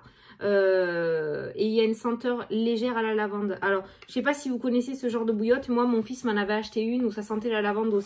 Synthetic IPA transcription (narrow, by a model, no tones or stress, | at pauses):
ø | eiljaynsɑ̃t̪œʁleʒɛʁalalavɑ̃d̪alɔʁʒəsɛpasivukɔnɛsesəʒɑ̃ʁd̪əbujɔt̪mwamɔ̃fismɑ̃navɛaʃt̪eynusasɑ̃t̪ɛlalavɑ̃d̪os